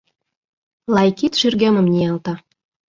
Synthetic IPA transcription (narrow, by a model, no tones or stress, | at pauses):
lɑjkit̪ʃyrɡemə̆mnʲiɑlt̪ɑ